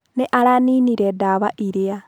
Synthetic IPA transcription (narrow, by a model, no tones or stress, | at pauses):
nɛʔaɾaniniɾedaβaʔiɾea